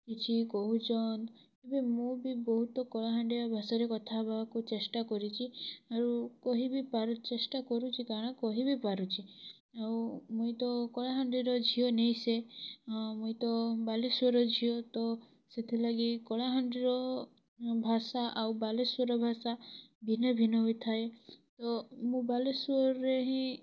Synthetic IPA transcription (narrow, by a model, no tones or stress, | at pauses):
kit͡ʃʰikɔɦud͡ʒɔnd̪ | ebemũbibɔɦut̪ɔkɔɭaɦaɳɖiɾɔbʱasaɾekɔt̪ʰabʱakut͡ʃesʈakɔɾit͡ʃʰiaɾukɔɦibipaɾut͡ʃesʈakɔɾut͡ʃʰikaɾɔɽ̃ɔkɔɦibipaɾut͡ʃʰi | awmũjt̪ɔkɔɭaɦaɳɖiɾɔd͡ʒʱionejse | mũĩt̪ɔbaleswɔɾɔd͡ʒʱiot̪ɔ | set̪ʰilaɡikɔɭaɦaɳɖiɾɔ | bʱasaʔawbalesɔɾɔbʱasabʱinɔbʱinɔit̪ʰaet̪ɔmũbalesɔɾeɦĩ